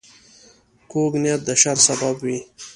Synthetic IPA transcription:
koɡnjat̪̚d̪əʃaɾsababwi

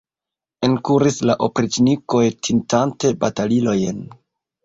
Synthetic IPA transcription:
enkuɾislaʔopɾit͡ʃniko̞jtʰintante̞batalilo̞jn

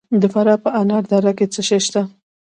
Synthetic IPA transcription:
d̪əfaɾɑpəʔanɑɾd̪ɑɾaket͡səʃejʃt̪a

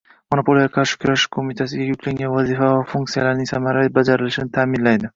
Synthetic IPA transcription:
monopʰo̞ljakʰaɾʃɪ̥kʰʲʊɾaʃɪ̥kʰomit̪ʰas̬ɪɡʲajʊkʰʲlaŋʲanvazifavafuŋk̚t̪sijalaɾɪnɪŋsamaɾaibad͡ʒaɾɪlɪʃɪnɪt̪ʰamɪnlajd̪ɪ

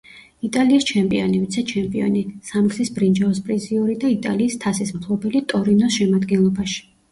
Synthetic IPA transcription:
it̪ʼaliːst͡ʃʰɛmpʼḭɔnivit̪sʰɛt͡ʃʰɛmpʼiɔ̰nisamksisbɾind͡ʒaɔspʼɾiziuɾid̪ait̪ʼa̰liːst̪ʰasismkʰlˠɔbɛlit̪ʼɔɾinɔsʃɛmad̪ɡɛnlˠɔbaʃi̥

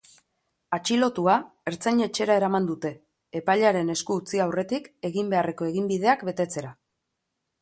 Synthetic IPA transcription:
at͡ʃilo̞t̪uae̞ɾt͡saɲe̞t͡ʃe̞ɾae̞ɾamand̪ut̪e̞ː | paʎaɾe̞ne̞skuːt͡siawre̞t̪ike̞ɣimbe̞are̞ko̞e̞ɣimbið̞e̞akbe̞t̪e̞t͡se̞ɾa

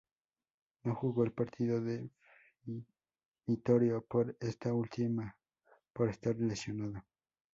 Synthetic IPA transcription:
noxuɣo̞elpaɾt̪ʰiðoðef | mit̪oɾjopoɾest̪ault̪ima | poɾest̪arlesjonaðo

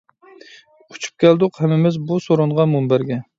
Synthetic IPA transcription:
ʊ̥t͡ʃʰu̥p̚kʲʰɛld̪ʊqhæmɪmɪzbusoɾʊɴʁɑmumbæɾɡʲɛ

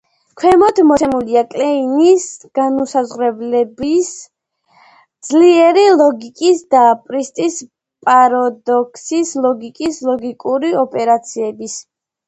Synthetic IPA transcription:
kʰwɛmɔt̪ʰmɔsʰɛmuliakʼlɛinisɡ̥anusazʁɾɛblɛbis | d̪zliɛɾilˠɔɡikʼisd̪apʼɾist̪ʼis | pʼaɾɔd̪ɔkʰsislˠɔɡikʼislˠɔɡikʼuɾiɔpʼɛɾat̪sʰiɛbis

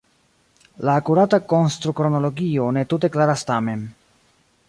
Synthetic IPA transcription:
laːkuɾatako̞nst̪ɾukɾo̞no̞lo̞ɡio̞ne̞tut̬e̞klaɾast̪ame̞n

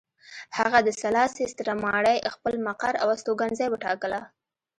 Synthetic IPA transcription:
haɣad̪əsalɑsest̪ɾamɑɽajxpəlmaqaɾa̰wast̪oɡanzɑjbəʈɑkəla

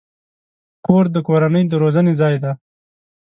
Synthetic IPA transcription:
koɾd̪əkoɾanəjd̪əɾozənezɑjd̪a

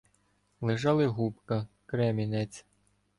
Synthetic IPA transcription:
lˠɪʒɑlˠɪɦupkɐ | kɾɛmʲinɛt͡sʲ

